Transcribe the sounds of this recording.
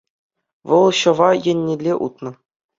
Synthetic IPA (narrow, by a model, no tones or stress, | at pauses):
ʋɤ̆lˠɕɤ̆ʋɑjɘ̆nʲːelʲːeʔut̪nɤ̆